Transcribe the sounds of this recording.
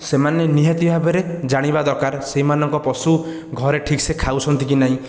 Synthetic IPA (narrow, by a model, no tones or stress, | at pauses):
semaneniɦat̪ibʱabeɾed͡ʒaɽ̃ibad̪ɔɾkaɾseɦimanɔŋkɔpɔsu | ɡʱɔɾeʈʰiksekʰawt͡ʃʰɔnt̪ikinaɦĩ